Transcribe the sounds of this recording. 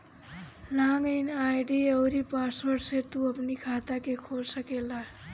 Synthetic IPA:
laŋɡəjnajɖiʌwɾipaswəɖset̪uəpnikʰat̪akekʰolsəkela

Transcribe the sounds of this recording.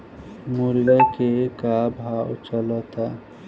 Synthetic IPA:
muɾjakekabʱawt͡ʃəlɔt̪a

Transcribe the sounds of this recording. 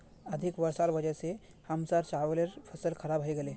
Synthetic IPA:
əd̪ʱikʋəɾsaɾbəd͡ʑase | həmsaɾt͡ɕaʋleɾfʰəsəlkʰəɾabʱajɡele

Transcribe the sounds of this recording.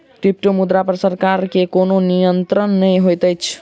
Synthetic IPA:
ʈip̚ʈomud̪ɾapəɾsəɾkaɾkekononijənt̪ɾənːəjɦojt̪əjt͡ʃʰ

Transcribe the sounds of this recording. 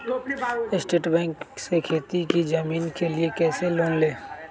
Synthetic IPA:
ɪsʈeːʈbɛ̃ːŋksekʰeːt̪ikid͡ʒəmiːnkeliekɛːseloːnleː

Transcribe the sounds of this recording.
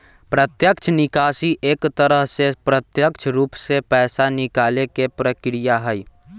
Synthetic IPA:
pɾət̪jəkt͡ʃʰnɪkaːsiʔeːkt̪əɾəɦsepɾət̪jəkt͡ʃʰɾuːpsepɛːsanɪkaːlekepɾəkɾijaɦəj

